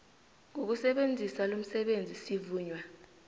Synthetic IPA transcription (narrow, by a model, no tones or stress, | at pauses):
ŋok̬usɛɓend͡zʱisalom̩sɛɓend͡zʱisivuːɲwa